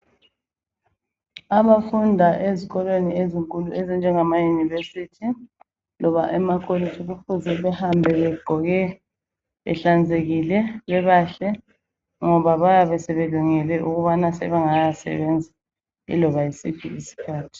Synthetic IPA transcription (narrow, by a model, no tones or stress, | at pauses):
aβafundʱaʔeziɣɔlwenieziŋkʼuluezind͡ʒʱɛŋamajunivesitʰi | lɔβaʔɛmakʼolitʰʼiɣufuzɛβɛhambʱɛβɛɡ͡ǃʱɔɣɛ | βɛ̰ɬand͡zʱeɣilɛβɛβaɬɛ | ŋɔβaβajaβɛsɛβeluŋɛlɛʔuɣuβanasɛβɛŋajasɛ̰βɛnd͡zʱi | ḭlɔβajisipʰḭisi̥kʰaːtʰi̥